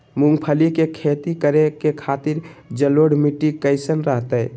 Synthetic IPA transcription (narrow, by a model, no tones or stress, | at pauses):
muŋɡpʰəlikekʰet̪ikəɾekekʰat̪iɾd͡ʒəloɽmiʈikəɪsənɾəɦt̪əɪ